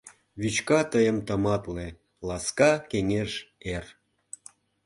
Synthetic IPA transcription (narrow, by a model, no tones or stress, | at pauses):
βyt͡ɕkɑt̪əjə̆mt̪ə̆mɑt̪le | lɑskɑkeŋeʃer